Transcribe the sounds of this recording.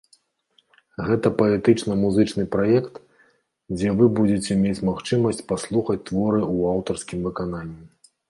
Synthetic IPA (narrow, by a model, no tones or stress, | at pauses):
ɣɛt̪ɐpɐɛt̪ɨt͡ʂnɐmuzɨt͡ʂnɨpɾajɛkt̪ | d͡zʲɛvɨbud͡zʲet͡sʲɛmʲet͡sʲmaxt͡ʂɨmɐsʲt͡sʲpaslˠuxɐt͡sʲt̪vɔɾɨuawt̪ɐrskʲimvɨkananʲːi